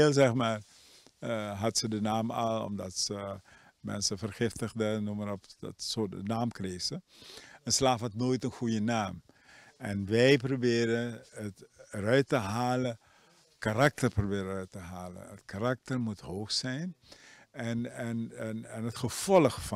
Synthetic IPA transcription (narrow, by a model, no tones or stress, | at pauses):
eːlˠzɛxmaːr | ɦɑtsədənaːmalˠɔ̰mdɑtsə | mɛ̰nsəfərχɪftəɣdənumərɔfdɔ̰tsoənaːmkreːsəənslaːfɦɑtnoːjtənxujənaːm | ɛnʋɛjp̬robɪːɾəətəɾœɥtəɦaːlə | karak̚tərprobɪːɾəœɥtəɦaːlə̰nətkarak̚tərmuthoːxsɛjn | ɛnɛnɛnɦətxəv̥ɔləxf